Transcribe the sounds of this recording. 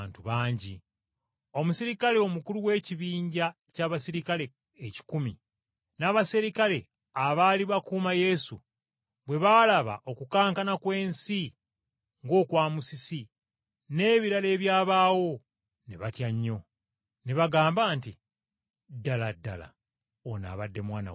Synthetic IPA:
ntuβaːɲɟḭ | o̞musiɾikale̞o̞mukuluwe̞ːciβiːɲɟa | caːβasiɾikale̞ː | ci̥kumḭ | naβasiɾikale̞ | aβaːliβakuːmaje̞sṵ | βwe̞βalaβa̰ʔo̞kukaːŋkanakwe̞ːnsi | ŋɡo̞ːkwaːmusisi | ne̞ːβiɾale̞ːβjaːβaːwo̞ | neβatjaɲːo̞ | neβaɡaːmbaːnti | dːaladːa̰la̰ | ona̰ːβadːe̞mwaːna̰w

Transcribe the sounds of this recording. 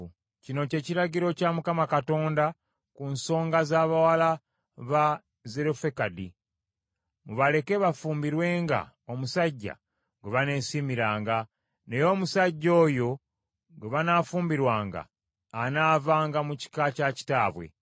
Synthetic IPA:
cino̞ce̞ːciɾaɟiɾo̞camukamakato̞ːnda | kunso̞ːŋɡazaːβawala | βa | ze̞ɾofe̞kadi | muβale̞ke̞βafuːmbiɾwe̞ːŋɡa̰ | o̞musaɟːa̰ | ɡweβane̞ːsimiɾaːŋɡa | ne̞jo̞musaɟːo̞ːjo̞ | ɡeβanaːfuːmbiɾwaːŋɡa̰ː | naːvaːŋɡamuci̥kacaci̥taːβwe̞̰

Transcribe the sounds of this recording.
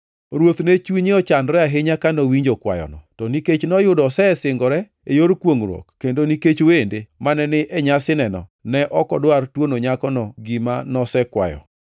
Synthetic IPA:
ɾwot̪nɛt͡ʃwiɲɪɔt͡ʃandɾɛaɦeɲakanɔwiɲd͡ʒokwa̰jɔ̰nɔtɔniket͡ʃnɔjʊdɔsɛsɪŋɡɔɾɛ | ejoɾkwoŋɾɔ̰kːendoniket͡ʃowendemanɛnɪʔɛɲasɪnɛnɔ̰nɛʔɔkɔdwartwonoɲakɔnɔɡimanɔsɛkwa̰jɔ̰

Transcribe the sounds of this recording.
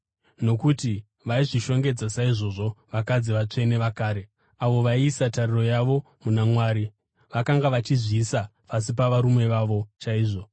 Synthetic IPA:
no̞kuti | ʋaiʐiʃo̞ŋɡe̞d͡zasaiʐo̞ʐo̞ʋakad͡ziʋat͡ʂe̞ne̞ʋakaːɾe̞ | aʋo̞ʋaiːsatariro̞jaʋo̞ | munamwaːɾi | ʋakaŋɡaʋat͡ʃiziːsapas̬ip̬aʋaɾumwe̞ʋaʋo̞t͡ʃaiːʐo̞

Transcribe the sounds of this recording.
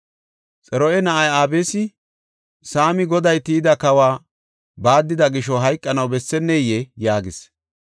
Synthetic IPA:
t͡sʼɛɾɔʔɛnɐʔɐjaːbeːsɪ | saːmɪɡɔd̪ɐjt̪iːd̪ɐkɐwaː | baːd̪ːɪd̪ɐɡɪʃɔɦɐjkʼːɐnɐwbɛsːɛnːejɛjaːɡɪs

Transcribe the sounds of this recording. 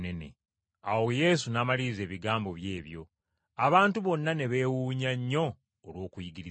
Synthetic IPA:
nene̞̰ | awo̞je̞ːs̬unaːmaliːze̞ːβiɡaːmbo̞βje̞ːβjo̞̰ | aβaːntuβo̞nːane̞βe̞ːwuːɲaɲːo̞ː | lwo̞ːkujiɡiɾi

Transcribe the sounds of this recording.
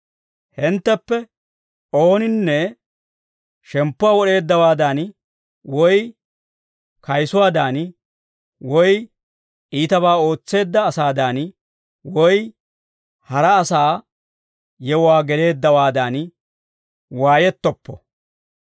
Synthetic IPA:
hɪnt̪ːɛpːɛ | o̞ːnɪnːɛ | ʃɛmpːʊwaːwɔɗe̞ːd̪ːɐwaːd̪an | wɔj | kɐjsʊwaːd̪aːn | wɔj | ʔiːt̪ɐβaːo̞ːt͡sːe̞ːd̪ːɐːsaːd̪aːn | wɔj | hɐɾɐːsaː | jɛwʊwaːɡɛle̞ːd̪ːɐwaːd̪an | waːjɛt̪ːɔpːɔ

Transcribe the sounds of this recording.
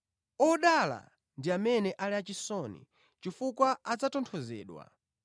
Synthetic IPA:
ɔɗala̰ | ndiamɛnɛʔalɛat͡ʃisɔnḭ | t͡ʃifukwaad͡zatɔntʰɔzɛ̰ːɗwa̰

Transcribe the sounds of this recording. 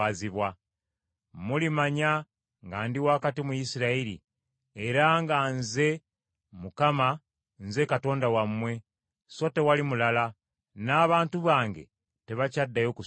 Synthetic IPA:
aziβwa | mulimaɲa | ŋɡaːndiwakatimujisiɾaiɾḭ | eɾaŋɡanze̞ | mukama | nze̞kato̞ːndawamwe̞ | so̞te̞walimulala | naːβaːntuβaːŋɡe̞̰ | te̞βacadːajo̞ːku

